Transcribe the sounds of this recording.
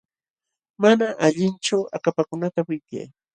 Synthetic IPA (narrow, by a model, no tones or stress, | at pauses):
manaʔaʎɪnt͡ʃawʔakapakʊnat̪awɪka̰j